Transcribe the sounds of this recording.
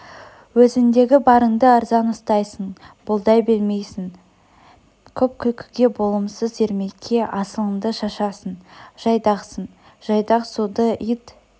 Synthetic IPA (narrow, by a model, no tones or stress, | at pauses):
wɵzɪŋd̪e̞ɡʲɪbɑɾəɴd̪əɑɾzɑnʊst̪ɑjsəɴb̥ʊlˠd̪ɑjbe̞lme̞jsɪŋ | kʲʰɵp̚kʲʰɵlkʲʰɪ̥ɡʲe̞bo̞lˠəmsəze̞ɾme̞kʲʰːe̞ʔɑsəlˠəɴd̪əʃɑʃɑsənʒ̥ɑjd̪ɑqsəɴ | ʒ̥ɑjd̪ɑqsud̪əit̪